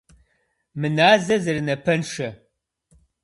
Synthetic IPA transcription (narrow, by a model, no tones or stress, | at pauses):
mɨnaːzɐzɐrɨnɐpʰɐnʂɐ